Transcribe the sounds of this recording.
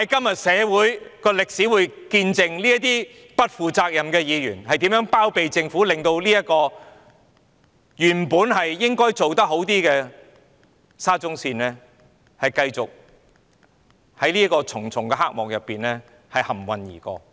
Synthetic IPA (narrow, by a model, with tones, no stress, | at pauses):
hɐ˨˥jkɐ˥mjɐ˨t̚sɛː˨˧wuː˨˥jkɔː˧lɪ˨k̚si˨˥wuː˨˥jkiː˧nt͡sɪ˧ŋliː˥ɐ˥t̪iː˥ | pɐ˥t̚fuː˨t͡saː˧k̚jɐ˨mkɛː˧jiː˨˧jyː˨˩nhɐ˨jt̪iː˨˥mjœː˨˥ŋpaː˥wpe˨jt͡sɪ˧ŋfuː˨˥lɪ˨ŋt̪o˧wliː˥jɐ˥t̚kɔː˧ | jyː˨˩npuː˨˥nɦɐ˨jːɪ˥ŋkɔː˥jt͡so˨wt̪ɐ˥k̚ɦo˨˥wt̪iː˥kɛː˧ | saː˥t͡sʊ˥ŋsiː˧nlɛː˥ | hɐ˨jkɐ˧jt͡sʊ˨k̚ | hɐ˨˥jliː˥kɔː˧t͡sʰʊ˨˩ŋt͡sʰʊ˨˩ŋkɛː˧ɦa˥k̚mɔ̰ː˨k̚jɐ˨pːiː˨nlɛː˥ | hɐ˨jhɐ˨˩mwɐ˨njḭː˨˩kɔ̰ː˧